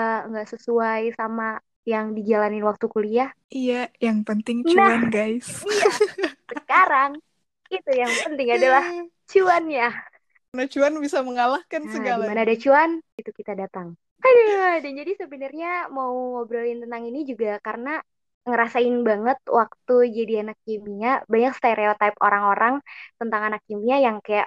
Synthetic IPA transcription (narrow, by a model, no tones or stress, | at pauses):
ŋɡaʔsəsuajsama | jaŋdid͡ʒalanɪnwak̚t̪ukuliah | ijajaŋpənt̪ɪŋt͡ʃnaanɡajs | səkaɾaŋ | it̪ujaŋpənt̪ɪŋadalah | t͡ʃuanɲa | nat͡ʃuanbisaməŋalahkansəɡalimanaːdat͡ʃuanit̪ukit̪adat̪aŋ | adəadand͡ʒadisəbənarɲamauobɾalɪnt̪ənt̪aŋinid͡ʒuɡakaɾəna | ŋəɾasaɪnbaŋət̪̚wak̚t̪ud͡ʒadianak̚ːimiɲabaɲakst̪aɾeot̪ap̚o̰ɾaŋoɾaŋt̪ənt̪aŋanak̚ːimiɲajaŋkaja̰ʔ